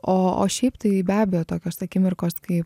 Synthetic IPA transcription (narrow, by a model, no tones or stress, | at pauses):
oːo̰ːʃʲɛɪpt̪ɐɪbʲæːbʲɛjoːt̪oːkʲoːsɐkʲɪmʲɪrkoːskɐɪp